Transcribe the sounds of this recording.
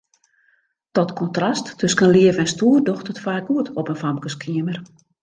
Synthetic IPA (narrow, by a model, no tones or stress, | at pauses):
tɔtkʰɔntrastːɵskənliəvɛnstuːrdoxtətfaːɡ̚uətɔpənfamkəskʰiəmər